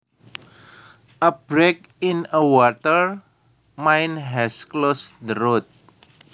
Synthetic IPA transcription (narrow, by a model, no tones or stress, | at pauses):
ʔəbɾek̚ | ĩnəwɔt̪əɹ | mãjnɦɛsklosd̪əɾot̪̚